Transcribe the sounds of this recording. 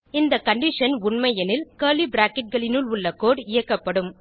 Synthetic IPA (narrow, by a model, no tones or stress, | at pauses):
ɪnd̪ɐkɐɳɖɪʂɐnʊɳmɐjɐnɪlkɐːlibɾaːkɪʈ̚ɡɐɭɪnʊɭʊɭːɐkoːɽɪjɐkːɐpːɐɽɯm